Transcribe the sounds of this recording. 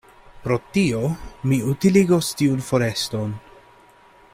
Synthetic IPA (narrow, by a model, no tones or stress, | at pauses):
pɾo̞tio̞miutiliɡo̞stiunfo̞ɾe̞sto̞n